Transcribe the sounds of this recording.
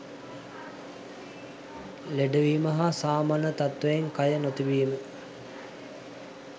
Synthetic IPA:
leɖəʋiːmɐɦasaːmaːnət̪at̪ʋejeŋkajənot̪iʋiːmə

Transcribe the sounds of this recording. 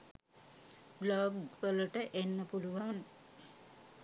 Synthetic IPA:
bloɡʋəluʈəʔenːəpuluʋan

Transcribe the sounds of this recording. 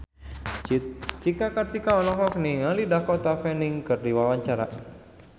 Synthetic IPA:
t͡ʃikakət̪ikaɔlɔŋfɔk̚niŋalidahkɔt̪afɛniŋkɨrdiwawaɲt͡ʃaɾa̰

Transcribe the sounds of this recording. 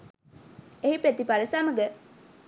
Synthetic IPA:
eɦipɾet̪ipaɾəsaməɡə

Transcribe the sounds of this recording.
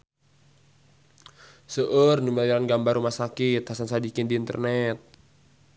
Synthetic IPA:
səʔərnumiliɾanɡambarumahsakit̪hasansadikɪndiːnt̪ə̰rnɛt̪̚

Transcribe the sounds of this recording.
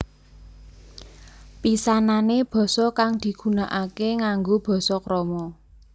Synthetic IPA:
pisananeb̥ɔ̤sɔkaŋd̪̥i̤ɡ̥ṳnaʔakeŋaŋɡob̥ɔ̤sɔkɾɔmɔ

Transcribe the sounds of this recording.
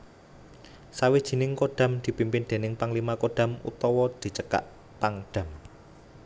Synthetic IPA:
sawid̥ʒ̥i̤nɪŋkoɖ̥ä̤md̪̥i̤pimpɪnd̪̥e̤nɪŋpaŋlimakoɖ̥a̤mṵt̪ɔwɔd̪̥i̤t͡ʃəka̰ʔ | paŋɖ̥ä̤m

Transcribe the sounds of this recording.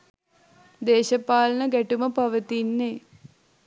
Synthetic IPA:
d̪eːʃəpaːlənəɡæʈuməpaʋət̪inːe

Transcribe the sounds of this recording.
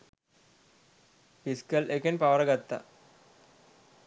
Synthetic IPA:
fiskəlʔekenpaʋɐɾɐɡat̪ːa̰

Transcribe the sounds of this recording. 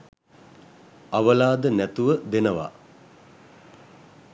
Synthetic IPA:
aʋəlaːd̪ənæt̪uʋəd̪enəʋa̰

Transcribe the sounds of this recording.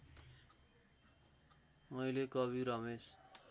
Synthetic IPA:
mʌjlekʌbiɾʌmes

